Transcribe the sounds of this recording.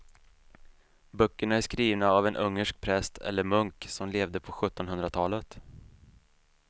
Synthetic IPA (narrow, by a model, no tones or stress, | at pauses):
bœkːəɳaæʂkɾiːvnaːvɛnʔɵŋːəʂk̚pʰɾɛst̪ʰɛ̰lːəɾmɵŋksɔmleːvd̪əpʰɔɧɵt̪ːɔnɦɵnd̪ɾat̪ʰɑːlət̪